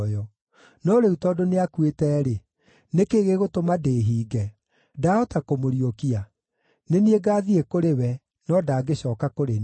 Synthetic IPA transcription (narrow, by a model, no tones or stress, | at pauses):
jɔ | nɔɾeutɔdoneakwetɛːɾe | nekeːɣeɣotomadeːɦiːɡɛ | daɔtakomoɾiokia | nenieɡaːðiekoɾewɛ | nɔdaːɡeɕɔːkakoɾen